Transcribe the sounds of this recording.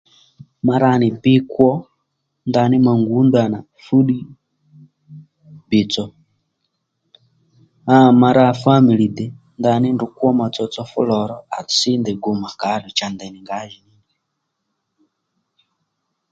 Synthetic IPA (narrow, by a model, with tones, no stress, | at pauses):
ma˨ɾa˦˨ni˨bi˦kwɔ˦ | nda˨ni˦ma˨ŋɡu˨˦nda˨na˨ | fu˦ɗi˦ | bi˨t͡sɔ˨ | a˦ma˨ɾa˦˨fa˦mi˨li˨d̪ɛ˨ | nda˨ni˦ndu˨ku˦ɔ˦ma˨t͡sɔ˨t͡sɔ˦fṵ˦lɔ˨ɾɔ˦a˨t͡si˦nd̪ɛ˨ɡu˨ma˨ka˨˦ɾi˨t͡ʃa˨nd̪ɛ˨ni˨ŋɡa˦ji˨ni˦ni